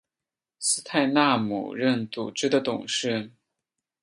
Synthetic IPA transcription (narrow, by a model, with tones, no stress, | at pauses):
sɹ̩˥t̪ʰa˥˧ɪna˥˩mṵ˨˩ɻə˥˩nt͡su˨˩ʈ͡ʂɻ̩˥d̪ə˨t̪ʊ˨˩ŋʂɻ̩˥˩